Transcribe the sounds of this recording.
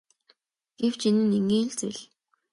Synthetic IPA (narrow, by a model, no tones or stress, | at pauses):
ɡ̥ew̥t͡ɕinɘ̆neŋɡiːɮt͡seɮ